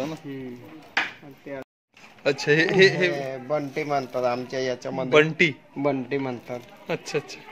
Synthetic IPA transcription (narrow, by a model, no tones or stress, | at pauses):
na | ətːɕʰaɦeɦeɦebəɳʈim̤ənt̪at̪amt͡ɕajat͡ɕaməbəɳʈi | bəɳʈim̤ənt̪at̪ətːɕʰaətːɕʰḁ